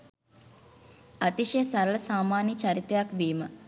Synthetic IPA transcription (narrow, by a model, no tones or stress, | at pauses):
at̪iʃejsaɾələsaːmaːnjət͡ʃaɾit̪ejakʋiːmə